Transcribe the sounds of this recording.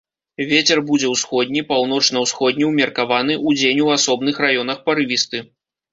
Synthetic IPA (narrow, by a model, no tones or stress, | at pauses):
vʲet͡sʲɛrbud͡zʲɛwsxɔd̪̚ʲnʲipawn̪ɔt͡ʂnɐwsxɔd̪̚ʲnʲiwmʲɐrkavanɨʔud͡zʲenʲuasɔbnɨxrajɔnɐxpɐɾɨvʲist̪ɨ